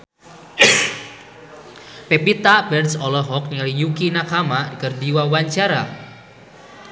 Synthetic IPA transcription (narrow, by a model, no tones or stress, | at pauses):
pepit̪abɛrsɔlɔɦɔk̚niŋalijukinakamadikərdiwawaɲt͡ʃaɾa